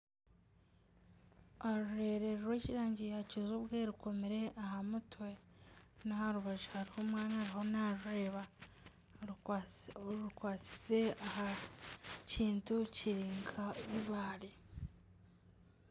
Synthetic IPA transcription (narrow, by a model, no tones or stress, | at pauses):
aɾuɾe̞ɾeɾuɾweːciɾaːɲɟijacuzuβɡeɾuko̞miɾe̞ʔahamutwe̞ | nahaɾuβaʒuhaɾihomwaːnahaɾiho̞naɾuɾe̞ːβa | uɾukwaːt͡si̥se̞aɦa | ciːntuciɾiːŋɡʰaβiβaːɾi